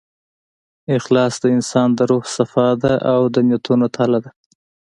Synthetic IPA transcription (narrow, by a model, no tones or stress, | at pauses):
ɪxlɑsd̪əɪnsɑnd̪əɾuhsafɑd̪aʔawd̪əmjat̪ʰunot̪ʰalad̪a